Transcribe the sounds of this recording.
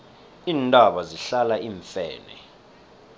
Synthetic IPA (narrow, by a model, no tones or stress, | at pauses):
iːntʼaɓaziɬalaʔiːɱfɛ̰ːnɛ̰